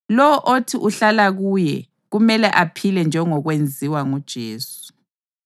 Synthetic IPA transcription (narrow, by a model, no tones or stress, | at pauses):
lɔwɔʔotʰiʔuɬalaɣujɛ̰ | ɣumɛlɛʔapʰilɛnd͡ʒʱɛŋɔɣwend͡zʱiwaŋud̥ʒ̥ʱḛːsu̥